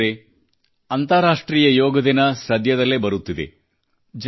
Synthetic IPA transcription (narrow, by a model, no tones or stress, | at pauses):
ɾe | ɐnt̪ɐɾaːʂʈɾiːjɐjɔːɡɐd̪inɐsɐd̪jɐd̪ɐlːebɐɾut̪ːid̪e̞̰ | d͡ʒ